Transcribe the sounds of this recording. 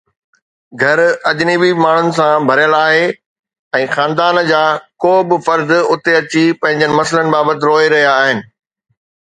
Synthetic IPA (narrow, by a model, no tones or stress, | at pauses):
ɡʱɐɾɐʄnibimaːɳ̤ʊnɪ̆sãbʱɐɾjəɭaːɦe | ɛ̃ːxãːnd̪aːnd͡ʑaːkoːbɪfɐɾd̪ʊt̪eɐt͡ɕipɐ̃ɦɪ̃ɲd͡ʑənɪ̆mɐsələnɪ̆baːbət̪ɪɾoːeɾɐɦijaːɦɪnɪ̆